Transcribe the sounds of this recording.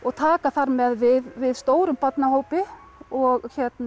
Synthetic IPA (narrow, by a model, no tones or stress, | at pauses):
ɔɣt̪ʰaːkaθaɾmɛðvɪðvɪðst̪oːwɾʏmpat̪nahoːwpɪ | ɔɣçɛt̪na